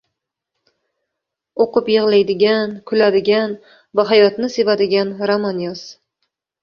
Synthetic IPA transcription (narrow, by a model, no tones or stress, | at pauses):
oqʊpjɨʁlˠajd̪ɪɡʲankʲʰʊlad̪ɪɡʲan | vaɦajɒt̪nɪsevad̪ɪɡʲanɾamanjas